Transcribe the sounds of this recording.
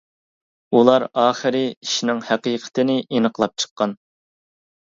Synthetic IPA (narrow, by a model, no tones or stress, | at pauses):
ulˠɑɾɑːχəɾɨiʃinɪŋhæqiqʰə̥t̪ʰɪnɪʔinəqlˠɑp̚t͡ʃʰə̥qːɑn